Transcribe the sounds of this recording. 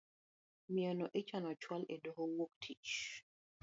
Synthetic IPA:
mianɔʔɛt͡ʃanɔt͡ʃwalɛdɔɦowoktʰit͡ʃ

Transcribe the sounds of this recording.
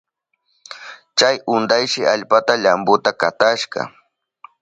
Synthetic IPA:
t͡ʃajʊnd̪ajʃɪʔaʎpat̪aʎambʊt̪akat̪aʃɢɑ̰

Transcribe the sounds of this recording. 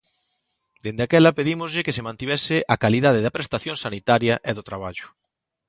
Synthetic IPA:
d̪end̪eakɛlɐpeðimʊzʎɪkesemãnt̪iβɛsɪʔakaliðað̞eðɐpɾest̪aθjõŋsanit̪aɾjɐʔeðʊt̪ɾaβaʎʊ̥

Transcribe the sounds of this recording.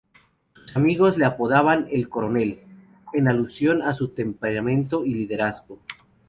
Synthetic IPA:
su̥samiɣo̞zleapoðaβanelko̞ɾone̞l | enalusjo̞nasut̪e̞mpeɾamẽ̞nt̪o̞ilið̞e̞ɾazɣo̞

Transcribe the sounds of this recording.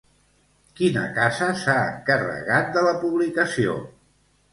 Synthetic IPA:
kinə̰kazəsaəŋkərə̰ɣat̪̚d̪ələpuβlikəsio̰

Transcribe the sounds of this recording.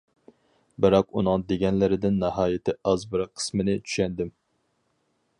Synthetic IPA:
bɨɾɑqunɨŋd̪eɡʲɛnlɪɾɪd̪ɪnːɑɦɑːjɪt̪ʰɪɑzbɨɾɑqʰə̥smɪnɪt͡ʃʰy̥ʃɛnd̪ɪm

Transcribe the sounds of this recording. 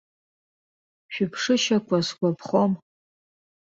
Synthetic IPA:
ʃᶣʊpʰʂɨʃakʷʰaskʷapʰχom

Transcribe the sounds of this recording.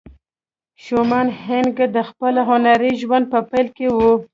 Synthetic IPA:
ʃomɑnhɪnɡd̪əxpəlaɦʊnaɾiʒwand̪̚pəpajlkewu

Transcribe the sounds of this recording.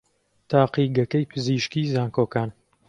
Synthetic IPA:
t̪ʰaːqiːɡɐkɐjpʰɨziːʃkiːzaːŋkoːkaːn

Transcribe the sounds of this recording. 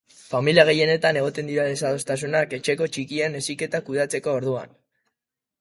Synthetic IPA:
familiaɣ̞e̞je̞ne̞t̪ane̞ɣ̞o̞t̪e̞nd̪iɾaðe̞saðo̞st̪as̬unake̞t͡ʃe̞ko̞t͡ʃikiene̞sike̞t̪akuð̞at͡se̞ko̞ːɾðua̰n

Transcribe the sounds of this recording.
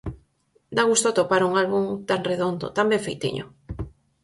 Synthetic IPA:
d̪aɣust̪ot̪opaɾuŋalɣuŋt̪aŋreðond̪ʊ̰t̪ambeɱfejt̪ḭɲʊ̰

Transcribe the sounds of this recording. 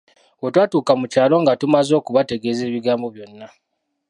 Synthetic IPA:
wotwaːtuːkamucaːlo̞ŋɡatumazo̞ːkuβate̞ɡe̞ːze̞ːβiɡaːmbo̞βjo̞nːa

